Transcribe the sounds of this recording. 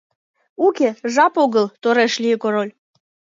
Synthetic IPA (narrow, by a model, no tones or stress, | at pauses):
ukeʒɑpoɣəlt̪oɾeʃlʲiəkoɾolʲ